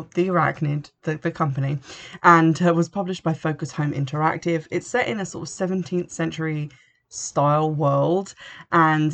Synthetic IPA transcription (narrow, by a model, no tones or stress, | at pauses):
ðiɹa̰knɪdðəðəkʰʌ̃mpəniʔə̃nɪʔwɒz̥pʰʌblɪʃb̥aɪfəʊkəshə̃ʊ̃mɪ̰̃ntʰəɹa̰k̚tɪvɪtsɛtɪ̰̃nəsɔ̰ˑtəv̥sɛvə̃ntʰĩnθsɛ̃nt͡ʃəɹi | staɪlˠwɜːlˠdʔə̃n